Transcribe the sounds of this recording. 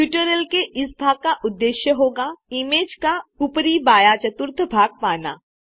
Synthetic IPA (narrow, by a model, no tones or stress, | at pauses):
puːʈəɾəlkeʔɪsbʱaːɡ̚kaʔʊd̪ːeːʃjəɦoːɡaɪmeːd͡ʒkaupəɾibaːjat͡ʃɐt̪ʊɾt̪ʰbʱaːɡ̚paːna̰ː